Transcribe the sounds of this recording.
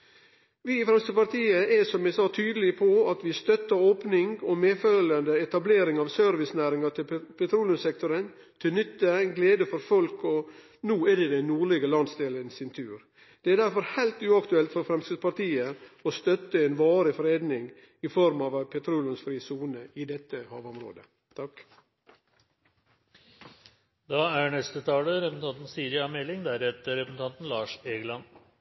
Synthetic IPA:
ʋɪɪfɾɛmst̪əpɑɾt̪ʰiːəɛsɔmjæɪsɑːt̪ʰyːd̪əlɪpʰɔɑt̪ʋɪst̪œt̪ːəɾoːpnɪŋɔmeːfølənd̪əɛt̪ɑbleːɾɪŋɑʋsœɾʋɪsnæːɾɪŋɑt̪ʰɪlpʰɛt̪ʰɾuːlɪʊmsɛk̚t̪ɔɾən | t̪ʰɪlnʏt̪ːənɡleːd̪əfɔɾfɔlkɔ | nuːɛd̪ɛd̪ɛnnuːɾɭɪɡəlɑnsd̪eːlənsɪnt̪ʰʉːɾ | d̪̥ɛæɖ̪æɾfɔɾhæɪlt̪ʉːɑkt̪ʉɛlt̪fɔɾfɾɛmskɾɪd̪spɑɾt̪iːəɔst̪œt̪ːəɛnʋɑːɾəfɾeːd̪nɪŋ | ɪfɔɾmɑʋpʰɛt̪ʰɾuːlɪʊnsfɾiːsuːnəɪd̪ɛt̪ːəhɑːʋɔmɾo̰ːd̪ə | t̪ʰɑk | d̪ɑːæɳɛst̪ət̪ʰɑːləɾɛpsn̩ʰɑnt̪n̩siːɾɪɑmɛlːɪŋd̪æɾɛt̪əɾɛpsn̩t̪ɑnt̪n̩lɑːʂeːɡlɑn

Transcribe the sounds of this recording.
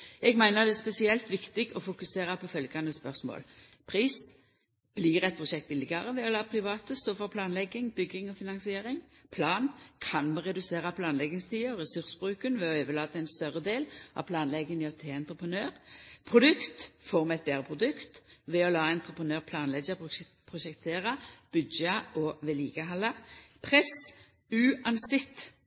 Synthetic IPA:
ɛɡmæɪnəʁd̪ɛæspɛsɪɛlt̪ʋɪkt̪ɪɡɔfʊkʉseːʁɑpʰɔfœlɡɑnəspœʁsmo̰ːl | pʰɾiːs | b̥lɪʁɛt̪̚pʰʁʊʃɛkt̪̚bɪlːɪɡɑʁəʋɛɔlɑːpʰʁɪʋɑːt̪əst̪oːfɔʁpʰlɑːnlɛɡɪŋbʏɡːɪŋɔfɪnɑnsɪeːɾɪŋpʰlɑːnkʰɑnmɛʁɛd̪ʉseːʁɑpʰlɑːnlɛɡɪŋst̪ʰiːəʁɛsʉʁsbʁʉːkənʋɛɔøːʋəlɑːd̪əɛɪnst̪œʁəd̪eːlʔɑ̰ʋpʰlɑːnlɛɡənɪɔt̪ʰeːɛnt̪ʁəpənøːʁpʰʁʊd̪ʉkt̪fɔʁmɛt̪̚beːʁəpʰʁʊd̪ʉkt̪ʋɛɔlɑːɛnt̪ʁəpənøːʁpʰlɑːnlɛɡə | pʰʁʊʃɛkt̪ʰeːʁɑb̥ʉd̪d͡ʒɑʔɔʋeːliːɡ̥əɦɑlɑpʰʁɛs | ʉːɑnsɪt̪

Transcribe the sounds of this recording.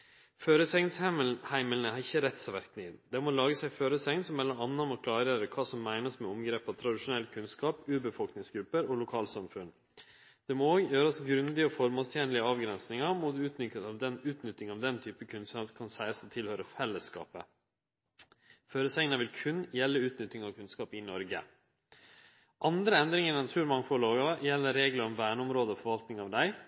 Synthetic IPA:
føːɾəsɛŋnshæɪməlnəhɑɾɪçːəɾɛt̪ːsɑʋæɾknɪd̪ɛmɔlɑːɡəsæɪføːɾəsɛŋnsɔmːɛlɑɑnːɑmɔkʰlɑːɾəɾəkʰɑːsɔmːæɪnəsmɛʊmɡɾeːpɑʋt̪ʰɾɑd̪ɪʂʊnɛlːkʰʉnskɑːpʉːbəfɔlknɪŋsɡɾʉpːəɾɔlʊkʰɑːlsɑmfʉn | d̪̥ɛmɔoːɡjøːɾɑsɡɾʉnd̪ɪəɔfɔɾmɑːst̪ʰjeːnlɪəɑːʋɡɾɛnsnɪŋɑmut̪ʉːt̪nʏkət̪ɑʋd̪ɛnʉːt̪nʏt̪ːɪŋɑʋd̪ɛnt̪ʰyːpəkʰʉnskɑpkʰɑnsæɪɑsɔt̪ʰɪlhøːɾəfɛlːəskɑ̰ːpə̰ | føːɾəsɛŋənəʋɪlkʰʉnjɛlːəʉːt̪nʏt̪ːɪŋɑʋkʰʉnskɑːpɪnɔɾɡə̰ | ʔɑnd̪ɾəɛnd̪ɾɪŋəɾɛnɑt̪ʰʉːɾmɑŋfɔloːɡɑjɛlːəɾeːɡləɾɔmʋæːɳəʊmɾoːd̪əɔfɔɾʋɑlt̪nɪŋɑːʋd̪æɪ

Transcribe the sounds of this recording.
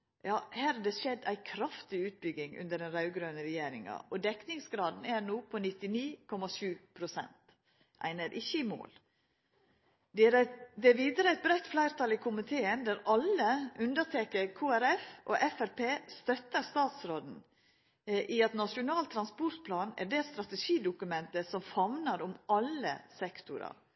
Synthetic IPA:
jɑːhæːɾædɛsɛd̪æ̰ɪkʰɾɑft̪ɪʉːt̪̚bʏɡɪŋʉ̰nd̪əɖɛnɾɑʉɡɾøːnəɾɛjeːɾɪ̰ŋɑ̰ʔɔd̪ɛknɪŋsɡɾɑːd̪n̩ænuːpʰɔnɪt̪ːɪniːkʰɔmɑʃʉːpʰɾʊsɛ̰nt̪ | ʔæ̰ɪnəɾʔɪçːəɪmo̰ːl | d̪ɛæɾd̪ɛæʋiːd̪əɾəæɪt̪̚bɾɛt̪flæɪɾt̪ʰɑlɪkʰʊmɪt̪ʰeːənd̪æɾɑləʉnd̪əɾtʰeːkəɾkʰuːæɾɛfʔo̰ːʔɛfæɾpeːst̪œt̪ːəɾst̪ɑːt̪sɾoːd̪n̩ | ʔiɑt̪nɑʂʊnɑːlt̪ʰɾɑnspɔɾʈ̪pʰlɑːnæ̰ɖeːst̪ɾɑt̪əʂiːd̪ʊkʉmɛnt̪əsɔmfɑʋnəɾʊmɑlːə̰sɛkt̪ʊɾɑ̰

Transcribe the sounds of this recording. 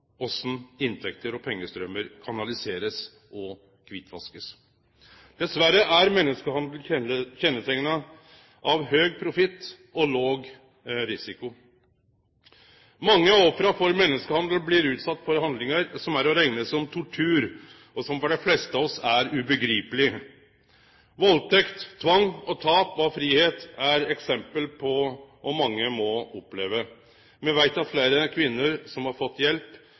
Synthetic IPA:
ɔsːn̩ɪnt̪ʰɛkt̪əɾɔpʰɛŋːəst̪ɾœmːəɾkʰɑnɑlɪseːɾəs | ɔ | kʰʋɪt̪ʰːʋɑ̰skəs | d̪̥ɛsʋæɾəʔæɾmɛnːəskəhɑnd̪l̩çɛnːət̪ʰɛŋːənə | ʔɑʋɦøːɡ̚pʰɾʊfɪt̪ː | ɔloːɡ | ɾɪsɪkʊ | mɑŋːəɔfɾɑfɔɾmɛnːəskəhɑnd̪lblɪɾʉːt̪sɑt̪ːfɔɾhɑnd̪lɪŋəɾsɔmæɾɔɾæɪnəsɔmt̪ʰʊʈʰʉːɾ | ɔsɔmfɔɖɛflɛst̪əɑɔsæɾʉbəɡɾiːpəlɪ | ʋɔlt̪ʰɛkt̪tʰːʋɑŋːɔt̪ʰɑːpɔfɾiːheːt̪æɾɛksɛmpəlpʰɔʔɔmɑŋːəmɔɔpːleːʋə | mɛʋæɪt̪ɑfleːɾəkʰʋɪnːəɾsɔmhɑɾfɔt̪ːjɛlp

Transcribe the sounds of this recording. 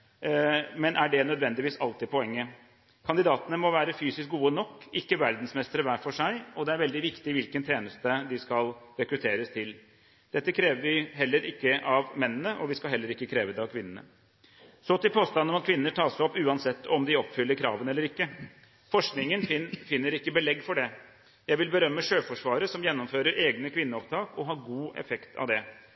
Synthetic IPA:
mɛnʔæɖɛnœd̪ʋɛnd̪ɪʋiːsɑlt̪ɪd̪̚pʰɔɛŋːə | kʰɑnd̪ɪd̪ɑːt̪ənəmɔʋæːɾəfyːsɪsk̚ɡuːənɔkːɪkːəʋæɾd̪n̩smɛst̪əɾəʋæːfɔʂæɪɔd̪ɛæɾʋɛld̪ɪʋɪkt̪ɪʋɪlkənt̪ʰɾeːnəst̪əd̪ɪskɑlɾɛkɾʉt̪ʰeːɾəst̪ʰɪl | d̪̥ɛt̪ːəkʰɾeːʋəʋɪɦɛlːəɾʔɪkːəʔɑʋmɛnːənəʔɔʋɪskɑlɦɛlːəɾɪkːəkʰɾeːʋəd̪ɛɑʋkʰʋɪnːənə̰ | sɔt̪ɪlpʰoːst̪ɑnːɔmɑt̪̚kʰʋɪnːəʈʰɑːsɔpːʉːɑnsɛt̪ːɔmd̪ɪɔpːfʏlːəɾkʰɾɑ̰ːʋənɛlːəɾɪkːə | fɔʂknɪŋənfɪnːəɾɪkːəbəlɛɡːfɔɖɛ | jæɪʋɪlbəɾœmːəʂøːfɔʂʋɑːɾəsɔmjɛnːɔmføːɾəɾʔeːɡnəkʰʋɪnːəɔpt̪ʰɑːkɔɦɑɾɡuːʔɛ̰fɛkt̪ʰɑ̰ʋd̪ɛ

